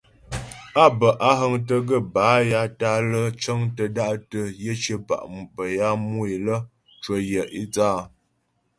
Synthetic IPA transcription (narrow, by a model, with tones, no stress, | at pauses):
a˦bə˨ʔa˦ɦə˦ŋtə˦ɡə˦˨baː˨˦ja˨ta˦lə˦t͡ʃə˦ŋtə˨da˦ʔtə˨jə˦t͡ʃə˦ba̰˨ʔbə˨ja˦mu˦e˨lə˦ | t͡ʃə˨jə˨ʔi˦t͡saː˦˨